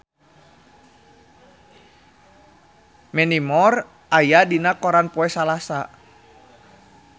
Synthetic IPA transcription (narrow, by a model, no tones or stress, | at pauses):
mɛnimɔr | ʔajadinakɔɾanpɔɛsalasa